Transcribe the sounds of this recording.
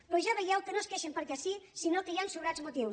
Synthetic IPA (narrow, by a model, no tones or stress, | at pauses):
pɾɔʒaβejɛwkənoskeʃempəɾkɛsisinokəjansuβɾadzmut̪iw